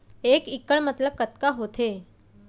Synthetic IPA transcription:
ekikːəɭmət̪ləb̚kət̪kaɦot̪ʰe

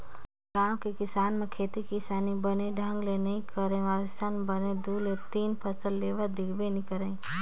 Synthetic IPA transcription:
kaːmkikɪsaːnmẽkʰeːt̪ikisaːnibəneɖʱə̃ŋɡlenɐĩkəɾẽasanbəned̪ulet̪iːnpʰəsəlːeːʋəd̪ɪkʰbenikəɾẽ

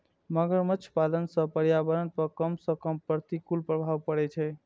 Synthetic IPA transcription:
məɡəɾmət͡ʃʰpalənsə̃pəɾjabəɾənpəkəmsə̃kəmpɾət̪ikulpɾəbʱaʋpəɽɛt͡ʃʰɛ

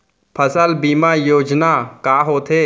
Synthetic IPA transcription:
pʰəsəlbiːmajoːd͡ʒnakaːɦoːt̪ʰeː

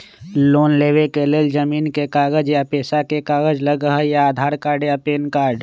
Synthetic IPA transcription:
loːnleːwekeleːld͡ʒəmiːnkekaːɡəd͡ʒjapeːsakekaːɡəd͡ʒləɡəɦjaaːd̪ʱaːɾkaːɾɖjapeːnkaːɾɖ

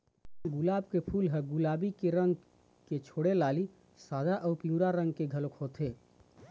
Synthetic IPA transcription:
ɡulaːbkepʰulɦəɡulaːbikeɾəŋɡ | ket͡ʃʰoɽelaːli | saːd̪aʔəːpiũɾaɾə̃ŋɡ̚keɡʱəlokɦot̪e

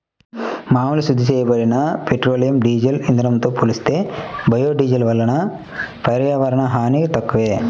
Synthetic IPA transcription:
maːmɐlisud̪ʱːiseːjɐbɐɾinɐpeʈɾoːlijɐmɖiːd͡ʒɐlind̪ɾɐmt̪oːpuːlist̪ebɐjoːɖiːd͡ʒɐlʋɐlːɐnɐ | pɐɾjaːʋɐɾɐɳɐɦaːniɡet̪ɐkːuʋe

